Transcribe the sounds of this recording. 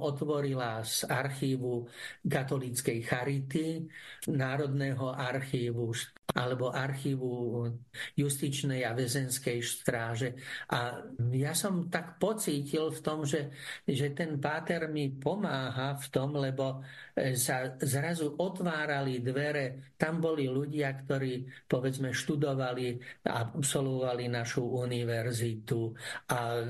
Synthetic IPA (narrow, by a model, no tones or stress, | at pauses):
ʔɔt̪ʋɔɾilazaɾxiːʋukat̪ɔlit͡skɛjxaɾit̪inaːɾɔd̪nɛːɦɔʔaɾxiːʋuʃ | ʔa̰lɛbɔʔaɾxiːʋu | just̪it͡ʃnɛjaʋɛzɛnskɛjʃt̪ɾaːʒɛʔajasɔmt̪akpɔt͡siːcilft̪ɔmʒɛʒɛt̪ɛnpaːt̪ɛɾmipɔmaːɦaft̪ɔmlɛbɔ | sazɾazuʔɔt̪ʋaːɾalid̪ʋɛɾɛt̪ambɔliluɟɪakt̪ɔɾiːpɔʋɛd͡zmɛʃt̪ud̪ɔʋalia̰psɔlʋɔʋalinaʃuʔuniʋɛɾzit̪uʔa